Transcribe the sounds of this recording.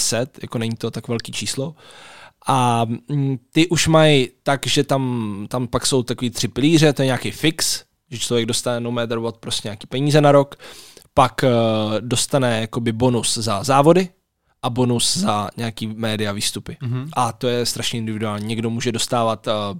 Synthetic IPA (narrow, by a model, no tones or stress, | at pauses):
sɛt̪ja̰ko̞nɛɲiːt̪o̞t̪akvɛlkiːt͡ʃiːslo̞ʔa | t̪ɪʔuʃmajt̪akʒɛt̪amt̪ampakso̞wt̪akoviːt̪r̝̥ɪpɪliːrɛt̪ojɛɲaːkejfɪks | ʒɛt͡ʃlo̞vjɛɡ̚do̞st̪anɛnomɛːt̪ɾbt̪̚pɾoscɛɲaːkiːpɛɲiːzɛnaɾo̞kpakdo̞st̪anɛjako̞bɪbonuszazaːvo̞dɪ | ʔabonuszaɲɛakiːmɛːdɪaviːst̪upɪʔat̪o̞jɛst̪ɾaʃɲɛʔɪndɪvɪduaːlɲiːɲɛɡdomuːʒɛdo̞st̪aːvat̪